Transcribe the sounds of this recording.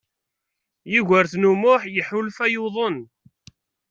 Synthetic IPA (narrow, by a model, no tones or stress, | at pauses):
jiʝəɾθnumʊħjəħʊlfæjuðˤon